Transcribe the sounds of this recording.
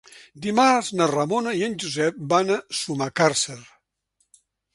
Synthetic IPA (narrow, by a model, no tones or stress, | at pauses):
d̪imaznərəmonəiənʲd͡ʒuzɛp̚banəsumakaɾsəɾ